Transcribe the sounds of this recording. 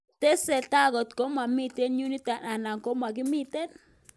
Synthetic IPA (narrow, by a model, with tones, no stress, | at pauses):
t̪e˦sɛ˨t̪a˦ɣɔ˨t̪ko˦ma˨mi˦˨t̪e˦nɲu˦ni˦t̪a˨na˨na˨ŋko˦ma˨k̬i˦mi˦t̪e˦n